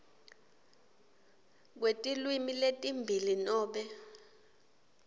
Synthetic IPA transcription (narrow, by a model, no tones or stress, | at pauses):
k̬wetʼilwimiletʼimbʱilinɔːɓɛ